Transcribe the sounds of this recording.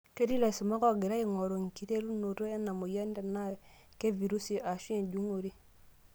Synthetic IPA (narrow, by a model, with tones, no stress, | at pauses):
ke˦di˦la˨si˨ma˦kɔ˦˨ɡe˨ɾa˦i˦ŋo˨ɾo˨ŋ˨ki˨te˦ɾu˦no˨ɾo˦e˦na˨mo˨ja˦nde˨na˦˨ | ke˦vi˨ɾu˦si˨ʔa˨ʃu˦e˨nd͡ʒu˦ŋo˨ɾi˦